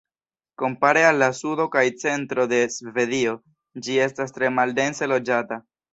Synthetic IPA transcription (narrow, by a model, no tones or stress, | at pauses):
ko̞mpaɾe̞alːasudo̞kajt͡se̞ntɾo̞de̞sve̞dio̞ | d͡ʒie̞stastɾe̞malde̞nse̞lo̞d͡ʒata